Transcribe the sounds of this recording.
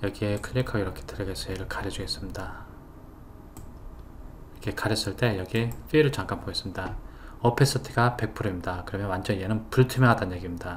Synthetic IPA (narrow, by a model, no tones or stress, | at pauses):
jʌɡiekʰɯʎːekʰaiɾʌkʰe̞̥tɯɾʌɡas͈ʌjeɾɯɭkaɾjʌd͡ʑuɡe̞s͈ɯmɲida | ʌkʰekaɾjʌs͈ɯɭt͈e̞jʌɡiep͈ʰiːɾɯɭt͡ɕaŋk͈anpʰoɡes͈ɯmɲidaʌpʰe̞s͈ɯtʰiɡape̞k̚pʰuɾuimɲidakɯɾʌmjʌnwand͡ʑʌnijenɯnpuɭtʰɯmaɦadanjeɡimɲida